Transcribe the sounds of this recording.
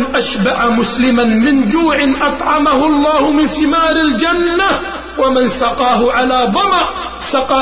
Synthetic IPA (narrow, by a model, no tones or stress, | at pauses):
ʔaʃbaʕamʊslɪmanmɪnd͡ʒuːʕɪnʔɑt̪ˤʕɑmahʊʔɑlˤːɑːhʊmɪnθɪmaːɾɪld͡ʒanːa | wamansɑqɑːɦʊʕalaːðˤɑmʕ | sɑqɑː